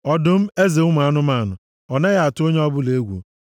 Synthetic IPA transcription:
ɔ˨dʊ˦m̩˦e˦ze˨ʊ˦m˨a˨˦nʊ˦ma˦˨nʊ˨ | ɔ˨ne˦ja˨a˨tʊ˦o˦ɲe˦ɔ˦bʊ˦le˦ɡʷṵ˨

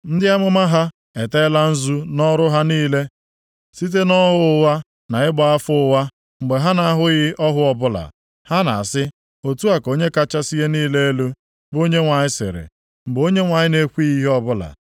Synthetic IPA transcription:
n̩˦dɪ˦a˦mʊ˦ma˦ɦa˦ | e˨te˦la˦n̩˦zu˦nɔ˦ɾʊ˦ɦa˦niː˦le˦ | si˦t̬e˦nɔ˦ɦʊ˦˨ʊ˨˦wa˦ | na˨ɪ˦ɡ͡ba˨a˦fʊ˦wa˦ | ŋ͡m̩˨ɡ͡be˨ɦa˦na˨a˦ɦʊ˦ɣɪ˦ʔɔ˦ɦʊ˦ɔ˨bʊ˦la̰˨ | ha˦na̰˨a˨sɪ˦ | o˨tu˦a˨ko˦ɲe˦ka˦t͡ʃa˦si˦je˦niː˦le˦e˦lu˦ | bo˦ɲe˦ŋʷa˨ɲɪ˦sɪ̰˨ɾḛ˨ | ŋ͡m̩˨ɡ͡bo˦ɲe˦ŋʷa˨ɲɪ˦ne˦kʷi˦i˦ɦɔ˦bʊ˦la̰˨

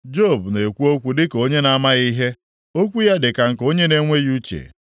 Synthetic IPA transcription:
d͡ʒo˦˨bne˨kʷu˦o˦kʷu˦dɪ˦ko˦ɲe˦na˦ma˦ɣi˦ɦe˦ | o˦kʷu˦ja˦dɪ˨ka˨ŋ̩˨ko˦ɲe˦ne˦ŋʷe˦ju˦t͡ʃḛ˨

